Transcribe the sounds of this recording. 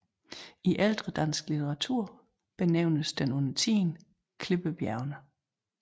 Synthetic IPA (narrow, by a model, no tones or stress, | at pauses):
iʔæld̥ʁəd̥æn̰sɡ̥lit͡sʰeʁɑ̈t͡sʰuɐ̰ | b̥e̝neʊ̰nəsd̥enɔnɐt͡sʰḭːn | kʰle̝b̥əb̥jæɐʊnə